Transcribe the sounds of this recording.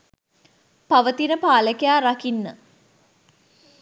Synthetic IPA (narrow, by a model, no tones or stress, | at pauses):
paʋət̪inəpaːləkejaːɾakinːə̰